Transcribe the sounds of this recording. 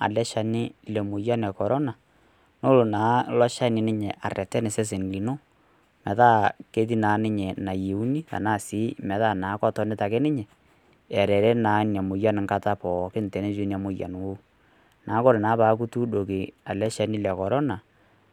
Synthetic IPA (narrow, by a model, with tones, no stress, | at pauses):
a̰˨lɛ˦ʃa˨nɪ˦lɛ˨mʊ˨ja˦nɛ˨kɔ˨ɾɔ˦na˨ | no˦lo˨naː˨˦lɔ˦ʃa˦nɪ˨nɪ˦ɲɛ˨ʔa˨rɛ˨tɛ˦nɪ˨sɛ˦s̬e˨n˨ki˨no˦ | mɛ˨ða˦ke˦ði˦naː˨˦nɪ˦ɲɛ˨na˨je˨u˦ni˦ta̰˨naː˦˨sɪ˨˦mɛ˨ða˦˨naː˨˦kɔ˦tɔ˨˦nɪ˦ta˨kɛ˦nɪ˦ɲɛ˨ | ɛ˨ɾɛ˨ɾɛ˦naː˨˦njɛ˨mʊ˨ja˦nɪ˨ŋka˦ta˦pɔ˨kɪ˦n˨tɛ˨ne˦d͡ʒu˦n˦a˨mʊ˨˦ja̰˨n˨wo˦ | na˨˦ko˦ɾe˨naː˨˦pa˨˦k̬u˦tu˦do˨kɪ˨a˨lɛ˦ʃa˨nɪ˦lɛ˨kɔ˨ɾɔ˦na˨